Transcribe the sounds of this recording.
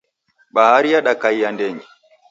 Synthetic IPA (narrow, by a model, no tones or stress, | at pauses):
ɓahaɾijaɗakajjandɛɲi